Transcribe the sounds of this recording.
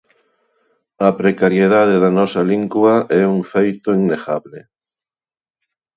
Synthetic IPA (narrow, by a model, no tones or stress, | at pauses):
ɐpɾekaɾjeð̞aðeðanɔsɐliŋɡwɐʔɛuŋfejt̪ʊiŋneɣaβlɪ